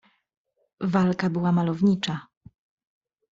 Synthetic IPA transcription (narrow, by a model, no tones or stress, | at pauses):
valkabɘwamalɔvɲit͡ʂa